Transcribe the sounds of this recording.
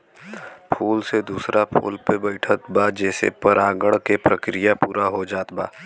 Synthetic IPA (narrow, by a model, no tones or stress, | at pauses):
pʰuːlsed̪uːsɾʔapʰṵːlpebəɪʈʰət̪bad͡ʒɛːsḛpəɾaːɡəɽkepɾəkɾijapuːɾaɦod͡ʒaːt̪ba̰ː